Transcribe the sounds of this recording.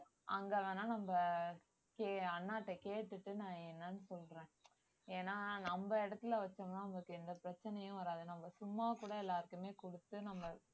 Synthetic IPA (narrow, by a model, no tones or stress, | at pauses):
ʔɐŋɡɐːʋẽːnaːnɐmbɐ | keːɐnːaːʈːɐkeːʈːɯʈːɯnãːɛnːɐnɯsɔlɾẽː | eːnaːnɐmbɐɪɽɐt̪ːɪlɐʋɐt͡ʃːɐmnaːnɐmɐkːɯɛnd̪ɐpɪɾɐt͡ʃːɐnɐjʊ̃ʋɐɾaːðɯnɐmbɐsʊmːaːkuːɽɐɛlːaːɾɯkɯmeːkɔɽɯt̪ːɯnɐmbɐ